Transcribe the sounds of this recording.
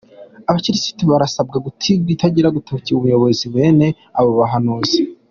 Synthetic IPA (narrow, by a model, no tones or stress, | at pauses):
aβat͡ʃiɾisi̥tiβaɾasabɡaɡutʰibɡitaɟiɾaɡutociuβujo̞βo̞ziβe̞ne̞ | aβo̞βaɦanuːzi